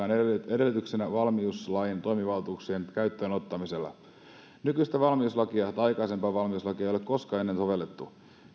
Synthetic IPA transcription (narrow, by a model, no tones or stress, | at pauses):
ɑːnedelːt̪yksenæʋɑlmiuslɑjint̪o̞imiʋɑlt̪uksienkæyt̪ːøːnot̪ːɑmiselːɑ̰ | nykyist̪æʋɑlmiuslɑkiɑt̪ɑɑjkɑise̞mpɑːʋɑlmiuslɑkiɑejolekko̞skɑe̞nːensoʋe̞lːet̪ːu